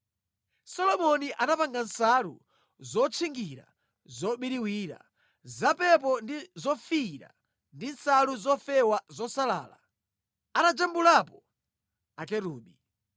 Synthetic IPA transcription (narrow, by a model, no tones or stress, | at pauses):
sɔlɔmɔniʔanapaŋɡansalṵ | zɔt͡sʰiŋɡiɾa̰ | zɔɓiɾiwiːɾa̰ | zapɛp̬ɔndizɔfiɾa̰ | ndinsaluzɔfɛwazɔsala̰ːla̰ | anad͡ʒambulapɔ | akɛɾuːɓi